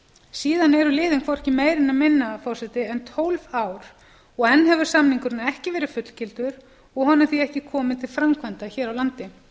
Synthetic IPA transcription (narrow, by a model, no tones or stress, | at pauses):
siːðanɛɾʏlɪːðɪnkʰvɔɾ̥hcɪmeːjɾɪnamɪnːafɔr̥sɛt̪ɪɛnt̪ʰowlvaːwɾ | ɔɣɛnːɦɛvʏɾ̥samniŋkʏɾnaɛhcɪvɛːɾɪfʏt̪l̥cɪlt̪ʏɾ | ɔɣɦɔnaɾθiɛhcɪkʰɔːmɪt̪ʰɪlfɾamkʰvant̪açɛːɾawlant̪ɪ